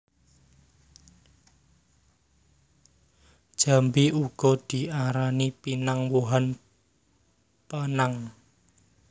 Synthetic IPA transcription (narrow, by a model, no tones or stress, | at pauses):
d̥ʒ̥a̤mbiʔuɡ̥ɔ̤d̪̥i̤ʔaɾanipinaŋwoɦan | pənaŋ